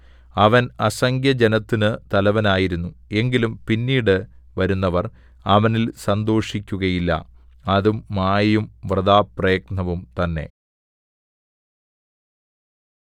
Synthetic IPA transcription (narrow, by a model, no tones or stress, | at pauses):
ɐʋɐnɐsɐŋɡʱjɐd͡ʑenɐt̪ːinɨt̪ɐlɐʋɐnaːjiɾunːue̞ŋɡilumpinːiːɽɨ | ʋɐɾunːɐʋɐr | ɐʋɐnilsɐnd̪o̞ːʂikʲːuɣɐjilːɐ̰ɐðumːaːjumʋrɨd̪aːprɐjɐɡnɐʋumt̪ɐnːe̞̰